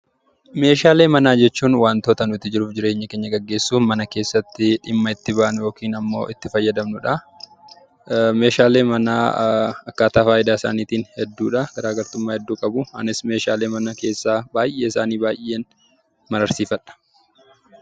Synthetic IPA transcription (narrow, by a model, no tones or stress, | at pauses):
me̞ːʃaːle̞ːmɐnaːd͡ʒɛt͡ʃːuːnwaːnt̪oːt̪ɐnʊɪt̪ːɪd͡ʒɪɾuːfd͡ʒɪɾe̞ːɲːɐke̞ːɲːɐɡɐɡːe̞ːsːuːnmɐnɐke̞ːsːɐt̪ːɪᶑɪmːɐɪt̪ːɪbaːʔɐnjoːkiːnɐmːo̞̰ːʔɪt̪ːɪfɐjːɐd̪ɐmnʊᶑɐ | me̞ːʃaːle̞ːmɐna̰ːɐkːaːt̪aːfaːjɪd̪aːɪsa̰ːniːt̪iːnhɛd̪ːuːᶑɐɡ̥ɐɾaːɡɐɾt̪ʊmːaːhɛd̪ːuːkʼɐbʊɐ̰nɪsme̞ːʃaːle̞ːmɐnɐke̞ːsːaːbaːjʔe̞ːɪsaːniːbaːjʔe̞ːn | mɐɾɐɾsiːfɐᶑɐ̥